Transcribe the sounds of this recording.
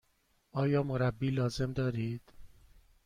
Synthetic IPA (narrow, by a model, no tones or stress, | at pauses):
ʔɒːjɒːmoɾæbːiːlɒːze̞md̪ɒːɾiːd̪̥